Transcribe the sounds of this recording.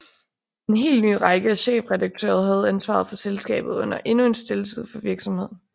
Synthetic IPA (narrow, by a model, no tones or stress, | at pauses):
e̝nɦe̝̰ːlny̰ːʁɑ̈ɪɡ̥əæɕḛːfʁɛdɑ̈ɡ̥̚t͡sʰø̰ːɐð̞̩ˠhæð̞̩ˠænsʋɑ̰̈ð̞̩ˠfɒ̽selsɡ̥ɛ̰ːb̥ð̞̩ˠɔ̽n̰ɐʔe̝nue̝nsd̥e̝ləsʰið̰ˠfɒ̽ʋiɐɡ̥sɒ̽mhe̝ð̞̰ˠ